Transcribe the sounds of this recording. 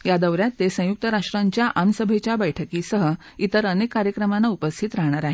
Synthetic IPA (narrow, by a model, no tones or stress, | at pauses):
jad̪əʋɾjatt̪ːesə̃juk̚t̪əɾaʂʈɾaɲt͡ɕjaʔamsəbʱet͡ɕjabəjʈʰəkiːsəɦə | it̪əɾənekːaɾjəkɾəmanːaupəst̪ʰit̪ɾaɦɳ̃aɾaɦe